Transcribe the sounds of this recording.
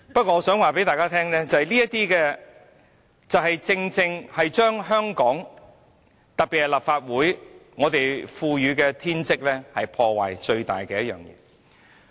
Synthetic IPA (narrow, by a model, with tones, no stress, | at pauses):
pɐ˥t̚kʷɔː˧ŋːɔː˧sœː˨˥ŋwaː˨˩pe˨˥jt̪aː˨jkaː˥t̪ʰɛː˥ŋlɛː˥t͡sɐ˨hɐ˨˩liː˥jɐ˥t̪̚iː˥kɛː˧ | t͡sɐ˨wɦɐ˨jt͡sɪ˧ŋt͡sɪ˧ŋhɐ˨jt͡ʃœː˥ŋɦœː˥ŋkɔː˨˥ŋ | t̪ɐ˨t̚pi˨t̚hɐ˨jlaː˨˩p̚faː˧t̚wuː˨˥jŋɔː˨˧t̪e˨jfuː˧jyː˨˧kɛː˧t̪ʰiː˥nt͡sɪ˥k̚lɛː˥hɐ˨jpʰɔː˧wa̰ː˨jt͡ʃɵ˧ɥt̪a̰ː˨˩jkɛː˧jɐ˥t̚jœ̰ː˨˩ŋjɛ̰ː˨˧